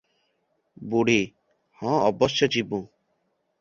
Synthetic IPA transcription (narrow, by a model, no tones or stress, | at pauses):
buɽ̤i | hɔ̃ɔbɔsjɔd͡ʒibũ